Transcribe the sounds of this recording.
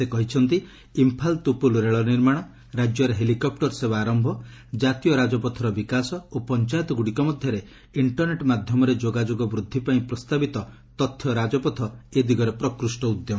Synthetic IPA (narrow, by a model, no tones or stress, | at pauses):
sekɔɦit͡ʃʰɔnt̪i | impʰalt̪upulɾeɭɔniɾmaɽ̃ɔ | ɾad͡ʒjɔɾeɦelikɔp̚ʈɔɾsebaːɾɔmbʱɔd͡ʒat̪ijɔɾad͡ʒɔpɔt̪ʰɔɾɔbikasɔopɔnt͡ʃajɔt̪ɔɡuɽikɔmɔd̪ʱjɔɾe | iɳʈɔɾneʈmad̪ʱjɔmɔɾed͡ʒoɡad͡ʒoɡɔbɾud̪ʱːipaĩpɾɔst̪abit̪ɔ | t̪ɔt̪ʰːjɔɾad͡ʒɔpɔt̪ʰɔed̪ʱiɡɔɾepɾɔkɾusʈɔud̪jɔm